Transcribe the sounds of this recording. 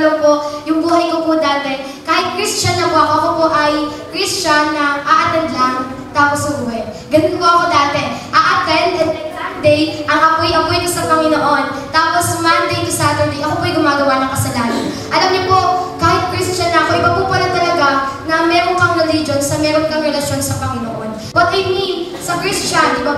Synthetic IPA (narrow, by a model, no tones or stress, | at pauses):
loŋpo̞ʔjʊŋbuːhɐjkopod̪aːt̪ɛ | kaːhɪt̪̚kɾist͡ʃɐnːɐpoʔɐko̞ʔɐkopo̞ʔɐj | kɾist͡ʃɐnːɐʔaʔɐt̪ɛd̪laŋ | t̪aːposjʊbuːhɛ | ɡɐnʊnpoʔɐko̞d̪aːt̪ɛʔɐʔɐt̪ɛnɡɐnɛsand̪ɛjʔɐŋʔɐkojʔɐɡojɪnkosɐpɐŋɪnoʔo̞n | t̪aːposmɐnd̪ejt̪ʊsaːt̪ɛɹd̪ejʔɐkopoʔɐjɡʊmaːɡɐwanɐŋkɐsɐlaːnɐn | ʔɐlɐmɲopo̞ʔkaːhɪt̪̚kɾist͡ʃɐnːɐʔɐko̞ʔɐjpɐpupolɐnt̪ɐlɐɡanɐmɛːɾoŋkɐŋɾɛlid͡ʒo̞nsɐmɛːɾoŋk̪ɐŋɾɛlɐʃjo̞nsɐpɐŋɪnoʔo̞n | pɐɡ̚ʔɐjmi | sɐkɾist͡ʃanɪbɐ